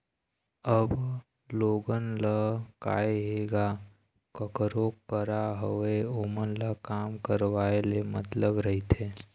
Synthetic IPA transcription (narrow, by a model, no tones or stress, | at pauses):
əb | loːɡənləka̰ːeɦeːɡa | kəkɾokːəɾaɦəʋeoːmənləkaːmkəɾʋaːelemə̰t̪ləbɾəɦit̪ʰeː